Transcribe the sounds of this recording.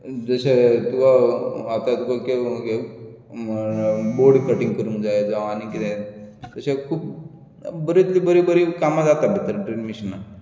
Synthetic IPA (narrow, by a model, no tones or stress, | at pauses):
d͡zəɕet̪uʋaat̪at̪ukakeke | boɾɖkəʈĩŋɡkəɾũŋkd͡zajd͡zaanikit̪ẽt̪əɕekʰuːp | bəɾit̪libəɾibəɾikamad͡zat̪abʱit̪əɾʈɾinmiɕənːa